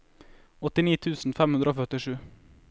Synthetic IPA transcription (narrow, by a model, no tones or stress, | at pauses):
ɔt̪ɪniːt̪ʰʉːsn̩fɛmhʉnd̪ɾəoːfœt̪ɪʂʉː